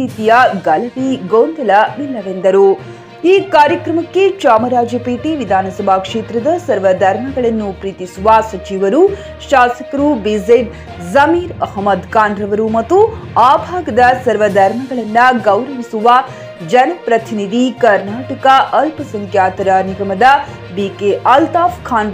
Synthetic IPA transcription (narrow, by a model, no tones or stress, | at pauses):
iːt̪ijɐɡɐlɐʋiɡoːnd̪ɐlɐʋilːɐʋend̪ɐɾu | iːkaːɾjɐkɾɐmɐkːet͡ʃaːmɐɾaːd͡ʒjɐpeːʈiʋid̪ʱaːnɐsɐbʱaːkʂeːt̪ɾɐd̪ɐsɐɾʋɐd̪ʱɐɾm̤ɐɡɐɭɐnːupɾiːt̪isuʋasɐt͡ʃiʋɐɾu | ʃaːsɐkɐɾubizeb | zɐmiːɾɐhmɐd̪kaːnd̪ɾɐʋɐɾumɐt̪ːu | aːbʱaːɡɐd̪ɐsɐɾʋɐd̪ʱɐɾmɐɡɐɭɐnːɐɡɐwɾɐʋisuʋa | d͡ʒɐnɐpɾɐt̪inid̪ʱikɐɾnaːʈɐkɐʔɐlpɐsɐŋkjaːt̪ɐɾaniɡɐmɐd̪ɐ | biːkeʔɐlt̪aːfkʰaːn